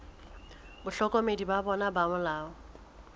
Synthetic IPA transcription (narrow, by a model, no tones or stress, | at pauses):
bʊɬɔkʼɔmedibabɔnabamʊlaːʊ